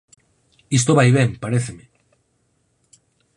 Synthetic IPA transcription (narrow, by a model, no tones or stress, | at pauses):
is̬t̪oβajβeŋpaɾeθeme